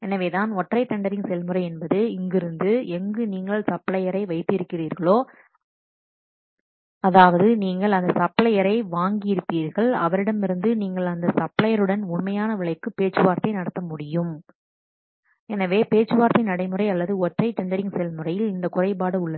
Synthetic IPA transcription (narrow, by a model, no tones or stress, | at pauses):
ɛnɐʋeːt̪aːnɔʈrɐɪʈ̪ɐɳɖɐɾɪŋsɛlmɯrɐɪɛnbɐðɯɪŋɡɪɾɯnd̪ɯɛŋɡɯniːŋɡɐɭsɐpɭɐjɐɾɐɪʋɐɪt̪ːɪɾɯkːɪriːɾɣɐɭoː | ɐðaːʋɐðɯniːŋɡɐɭɐnd̪ɐsɐpɭɐjɐɾɐɪʋaːŋɡɪjɪɾɯpːiːɾɣɐɭɐʋɐɾɪɽɐmɪɾɯnd̪ɯniːŋɡɐɭɐnd̪ɐsɐpɭɐjɐɾɯɽɐnʊɳmɐjaːnɐʋɪɭɐɪkːɯpeːʈt͡ʃɯʋaːɾt̪ɐɪnɐɽɐt̪ːɐmʊɽɪjɯm | ɛnɐʋeːpeːt͡ʃːɯʋaːɾt̪ɐɪnɐɽɐɪmɯrɐɪɐlːɐðɯɔʈrɐɪt̪ɐɳɖɐɾɪŋsɛlmɯrɐjɪlɪnd̪ɐkʊrɐɪbaːɽɐʊɭːɐ